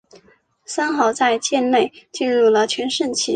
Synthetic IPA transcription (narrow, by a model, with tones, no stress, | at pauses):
sa˥nxɑ˥˧˩ʊt͡sa˥˧ɪt͡ɕjɛ˥˧nne˥˧ɪt͡ɕi˥˧nɻu˥˩lə˩t͡ɕʰɥɛ˧˥nʂə˥˩nt͡ɕʰi˧˥